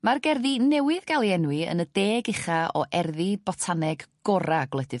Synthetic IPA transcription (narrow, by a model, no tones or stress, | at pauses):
marɡɛrðinɛwɪðɡalˠiɛnwɪə̰nədeːɡɪχaʔɔ̰ʔɛrðibɔtʰanɛɡɡ̥ɔɾaɡwlˠɛdɨ